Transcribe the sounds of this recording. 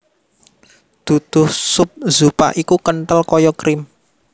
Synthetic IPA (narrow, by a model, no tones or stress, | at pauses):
d̪̥ṳd̪̥ʊhsʊp̚zupa̰ʔikukənʈ̪əlkɔjɔkɾɪm